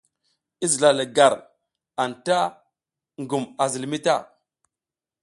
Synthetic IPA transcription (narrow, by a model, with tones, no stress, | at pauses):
i˦zi˨la˨lə˨ɡa˨ɾ | a˨nta˦ | ŋɡu˨ma˨zi˨lmi˦ta˦˨